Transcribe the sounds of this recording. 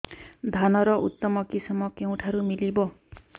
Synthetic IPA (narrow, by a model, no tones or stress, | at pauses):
d̪ʱanɔɾɔʔṵt̪ːɔmɔkisɔmɔkeũʈʰaɾumilibɔ